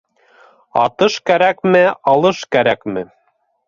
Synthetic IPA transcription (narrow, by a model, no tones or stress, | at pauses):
ɑ̰t̪ɤʃkæɾækmɘɑlˠɤʃkæɾækmɘ